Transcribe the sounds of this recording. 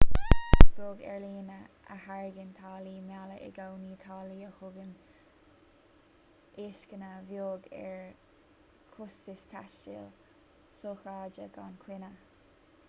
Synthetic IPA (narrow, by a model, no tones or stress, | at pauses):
sɡoːɡɛ̰ɹliːnə | ə̰haɹɪɡənt̪ʰaːliːmjaləʔɛ̰ɡawniːt̪ʰaːliːəxʊɡən | eːʃkənəvjoːɡɛ̰ɹ | kʰʊstɪstʰaʃt͡ʃḭːl | soːxɹaːd͡ʒəɡankʰwɪnə